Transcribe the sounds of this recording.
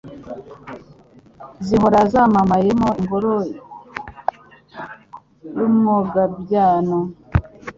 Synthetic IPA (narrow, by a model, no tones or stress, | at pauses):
ziɦoɾazamamajemoimboɾo | jumoɡabjaːno